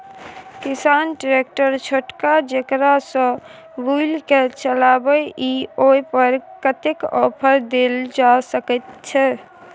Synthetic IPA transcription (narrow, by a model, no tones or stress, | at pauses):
kisanʈɾek̚ʈəɾt͡ʃʰoʈkad͡ʒekɾasə̃ | bʱujlket͡ʃəlabəʔioipəɾkət̪ekɔpʰəɾd̪eld͡ʒasəkət̪̚t͡ʃʰɛ